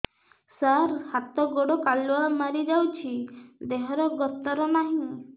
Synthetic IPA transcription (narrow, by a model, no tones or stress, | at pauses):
saɾhat̪ɔɡɔɽɔkalwamaɾid͡ʒawt͡ʃʰid̪eɦɔɾɔɡɔt̪ɔɾɔnaɦĩ